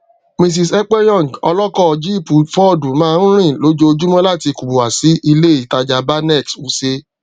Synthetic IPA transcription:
mĩ˧s̬i˧sɛ˦k͡pɛ˦jɔ̃˦˨ŋ˨ɡɔ˧lɔ˦kɔ˦˧d͡ʒi˦i˦˨pu˨˦fɔ˦˨du˨mãː˦˧n̩˦ɾ̃ĩ˦˨lo˨˦d͡ʒo˦o˧d͡ʒu˦mɔ̃˦la˦˨ti˧ku˨ɡ͡bo˨wa˨si˨˦ʔi˧le˦i˨ta˧d͡ʒa˨˧ba˦nɛ˦˨ksu˨˦se˧˦

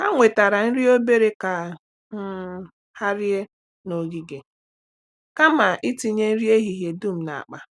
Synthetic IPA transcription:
ka˦ŋʷe˨ta˨ɾa˨n̩˦ɾi˦o˦be˦ɾe˦ka˨ | ŋ̩˦ | ha˦ɾje˦ | no˨ɡi˦ɡe˨ | ka˦ma˨ʔi˦ti˦ɲe˦n̩˦ɾi˦e˦ɦi˨ɦje˨du˦˨m̩˨na̰˨a̰˨k͡pa˨

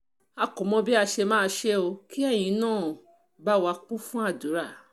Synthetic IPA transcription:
a˧kũ˨˦mɔ̃˧bi˦a˧ʃe˧mãː˦˧ʃe˦o˧ki˦ɛ˦˨j̃ĩ˨˦nãː˦˨ | ba˦wa˧k͡pũ˦fũ˦a˦˨du˨˦ɾa˦˨

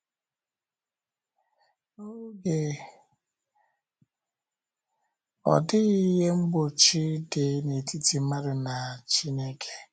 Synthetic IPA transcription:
o˦ɡe˨ | ɔ̰˨dɪ˦ɣi˦ɦe˦ŋ͡m̩˦ɡ͡bo˨t͡ʃi˦de˨˦ne˨ti˦ti˨ma˦ɾɪ˨na˨t͡ʃi˦ne˦kʰe̥˦

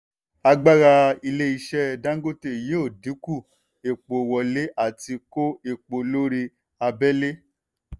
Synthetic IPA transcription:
a˧ɡ͡ba˦ɾa˧i˧le˦i˧ʃɛ˦˨dã˦ŋ˦ɡo˦te˧˨je˦o˦˨di˨˦ku˦˨ | e˨k͡po˨wɔ˨le˦ʔa˦˨ti˧ko˦e˨k͡po˨lo˦ɾi˧ | a˧bɛ˦le˦

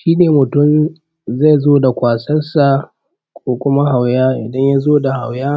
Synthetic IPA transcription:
ʃiː˦neː˨mʊ˨tʊ˦m | za˦˨zoː˦da˨kʷaː˨sɐ˦nsa˨ | kʷʰoː˦kʷʊ˦ma˦ɦa˨wjaː˦ʔɪ˨dɐ˦ɲja˦zoː˦da˨ha˨wjaː˦

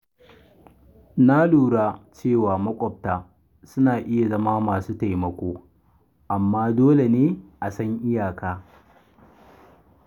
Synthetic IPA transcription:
na˦luː˨ɽaː˦t͡ʃeː˦˨waː˨mɐ˦kʷʼɔ˨p̚taː˨ | sʊ˦naː˨ʔɪ˦ja˨zɐ˦maː˦maː˨suː˦ta˨jmɐ˨kʷoː˦ | ʔa˨mːaː˦doː˦le˨neː˦ʔa˨sɐ˦ŋʔɪ˦jaː˨kaː˦

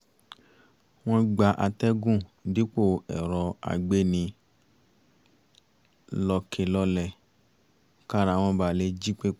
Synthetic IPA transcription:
w̃ɔ̃˦ɡ͡ba˧ʔa˧tɛ˦ɡũ˦˨di˨˦k͡po˦˨ɛ̰˨ɾɔ˧a̰˨ɡ͡be˦nĩ˧ | lɔ˧kʰe˨˧lɔ˧˦lɛ˦˨ | ka˦˨ɾa˧˨w̃ɔ̃˧ba˧˨le˧˦d͡ʒi˦k͡pe˦

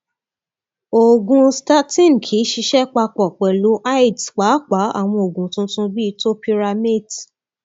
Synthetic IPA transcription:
o˨ɡũ˧sta˦tĩ˦˨n˨kʰi˨˦ʃi˧ʃɛ˦k͡pa˧k͡pɔ˨k͡pɛ˨lu˨˦ʔa˦i˨dk͡pa˨˦k͡pa˨˦a̰˦˨w̃ɔ̃˧o˨ɡũ˨tũ˧˦tũ˧bi˦˧to˦pi˧ɾa˧mi˦˨d

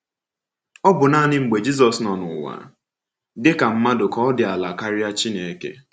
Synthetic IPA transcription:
ɔ˦bʊ˨naː˦nɪ˦ŋ͡m̩˨ɡ͡be˨d͡ʒi˦s̬ɔ˨snɔ˨nʊ˨wa̰˨ | dɪ˦ka˨m̩˦ma˦dʊ˨kɔ˦dɪ˨a˨la˨ka˦ɾɪ˦a˦t͡ʃi˦ne˨e˨kḛ˦

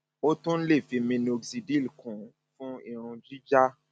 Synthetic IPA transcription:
o˦tũ˦n̩˦le˦˨fi˧mĩ˧ni˨o˧ɡsi˧di˦˨lkũ˨ | fũ˦i˦˨ɾ̃ũ˧d͡ʒi˦d͡ʒa˦

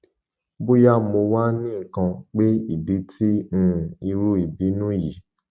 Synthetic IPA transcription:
bu˦ja˦˨mo˧wa˦nĩ˦˨kã˧k͡pe˦i˦˨bi˨˦tĩ˦˨i˧ɾu˦i˨bi˨˦nũ˦ji˨

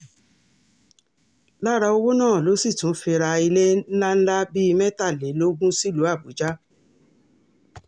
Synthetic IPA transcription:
la˦ɾa˧o˧wo˦nãː˦˨lo˨˦si˦˨tũ˨˦fĩ˧ɾa˧i˧le˦n̩˦la˦n̩˦la˦bi˦i˧mɛ̃˦ta˦˨le˨˦lo˦ɡũ˦si˦˨lu˨˦a˦˨bu˨˦d͡ʒa˦

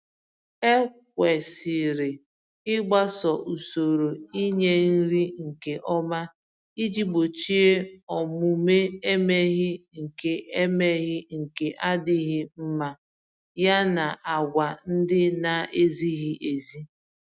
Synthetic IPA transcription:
e˦k̚ʷe˨si˨ɾɪ˨ | ɪ˦ɡ͡ba˦sɔ˨ʔu˨so˨ɾo˨i˦ɲe˦n̩˦ɾi˦ŋ̩˨ke˨ʔɔ˦ma˦ | i˦d͡ʒi˦ɡ͡bo˨t͡ʃi˦e˦ɔ˨mu˨me˦e˦me˦ɣɪ˦ŋ̩˨ke˨ʔe˦me˦ɣɪ˦ŋ̩˨ke˨ʔa˦dɪ˦ɣɪ˦m̩˦ma˦ | ja˦na˨ʔa˨ɡʷa˨n̩˦dɪ˦na˨ʔe˦zi˦ɣi˦ʔe˨zi˦

